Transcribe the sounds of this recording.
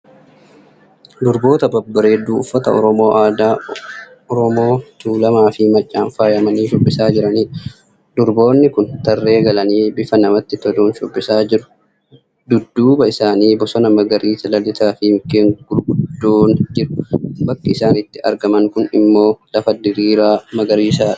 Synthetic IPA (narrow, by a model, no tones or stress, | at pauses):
d̪ʊɾbo̞ːt̪ɐbɐbːɐɾeːd̪uːʊfːɐt̪ɐɔɾɔmo̞ːʔaːd̪aː | ɔɾɔmo̞ːt̪uːlɐmaːfɪmɐt͡ʃʼːaːɱfaːjɐmɐniːʃʊbːɪsaːd͡ʒɪɾɐniːᶑɐ | d̪ʊɾbo̞ːnːɪkʊnt̪ɐrːe̞ːɡɐlɐniːbɪfɐnɐmɐt̪ːɪt̪ɔd̪uːnʃʊbːɪsaːd͡ʒɪɾʊ̥ | d̪ʊd̪ːuːbɐɪsaːniːbɔsɔnɐmɐɡɐɾiːsɐlɐlːɪt̪aːfɪmɪkːeːŋɡʊlɡʊd̪ːuːnd͡ʒɪɾʊ̥bɐkːɐɪsaːnɪt̪ːɪɐ̰ɾɡɐmɐŋkʊnɪmːo̞ːlɐfɐd̪ɪɾiːɾaːmɐɡɐɾiːsaːᶑ